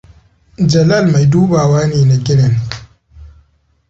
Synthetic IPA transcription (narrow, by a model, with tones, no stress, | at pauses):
d͡ʒɐ˨la˦˨lma˨jduː˦baː˨waː˦niː˨na˨ɡɪ˦ɽɐ˨n